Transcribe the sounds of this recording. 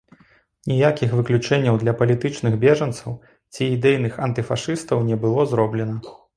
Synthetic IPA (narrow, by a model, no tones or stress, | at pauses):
nʲijakʲixvɨklʲut͡ʂɛnʲːɐwd̪lʲɐpɐlʲit̪ɨt͡ʂnɨɣbʲɛʐɐnt̪sɐw | t͡sʲiːd̪ɛjnɨxɐnt̪ɨfaʂɨst̪ɐwnʲɛbɨlˠɔzɾɔblʲɛnɐ